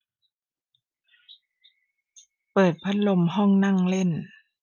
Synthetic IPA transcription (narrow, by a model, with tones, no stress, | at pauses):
pɤː˨˩t̪̚pʰa˦˧˥lo˧mɦɔ˥˩ŋna˥˨ŋle˥˩˨n